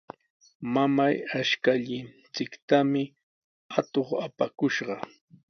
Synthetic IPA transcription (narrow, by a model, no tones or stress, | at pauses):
mamajaʃkaʎɪn | t͡sɪkt̪amɪ | at̪oχapakʊʃɢɑ